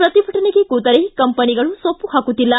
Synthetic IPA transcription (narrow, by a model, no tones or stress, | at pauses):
pɾɐt̪ibʱɐʈɐneɡekuːt̪ɐɾekɐmpɐniɡɐɭusopːuɦaːkut̪ːilːɐ